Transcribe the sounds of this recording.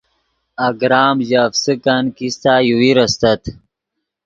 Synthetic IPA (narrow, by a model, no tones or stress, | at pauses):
aɡɾaːmʑafsəkankist̪aːjuwiɾɐst̪ɐt̪